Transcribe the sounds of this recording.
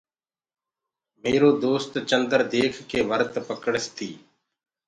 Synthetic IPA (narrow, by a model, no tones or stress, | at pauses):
meːɾoːd̪oːst̪t͡ʃənd̪əɾd̪eːkʰkeːʋəɾt̪pəkɽəst̪ʰiː